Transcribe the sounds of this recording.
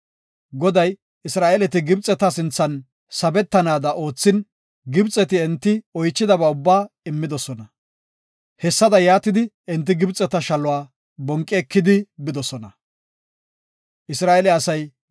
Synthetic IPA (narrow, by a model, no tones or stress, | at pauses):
ɡɔd̪ɐj | ɪsɾaːʔɛlɛt̪ɪɡɪbt͡sʼːɛt̪ːɐsɪnt͡sːɐn | sɐbɛt̪ːɐnaːd̪ɐʔo̞ːt͡sːɪn | ɡɪbt͡sʼɛt̪ɪɛnt̪ːɪɔjt͡ʃːɪd̪ɐbɐʊbːaː | ɪmːɪd̪ɔsɔnɐ | hɛsːɐd̪ɐjaːt̪ːɪd̪ɪ | ɛnt̪ːɪɡɪbt͡sʼːɛt̪ːɐʃɐlʊwaː | bɔŋkʼːɪɛkːɪd̪ɪbɪd̪ɔsɔnɐ | ʔɪsɾaːɛlɛɐsɐj